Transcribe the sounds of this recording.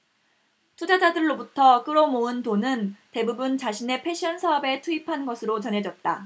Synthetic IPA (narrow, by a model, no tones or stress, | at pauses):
tʰud͡ʑad͡ʑadɯɭːobutʰʌk͈ɯɾomoɯntonɯnte̞bubunt͡ɕaɕʰine̞pʰe̞ɕ͈ʰiʌnsʰaɦʌbe̞tʰuipʰanɡʌsʰɯɾot͡ɕʌnɦe̞d͡ʑʌt̚t͈a